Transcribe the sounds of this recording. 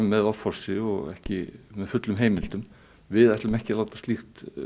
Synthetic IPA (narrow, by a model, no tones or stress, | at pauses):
mmːɛðɔfɔɾ̥sɪɔɣɛ̰hcɪmɛðfʏt̪lʏmɦeːjmɪlt̪ʏm | vɪðɛjht̪ləmɛhcɪlaːwt̪ḁst̪lixt̪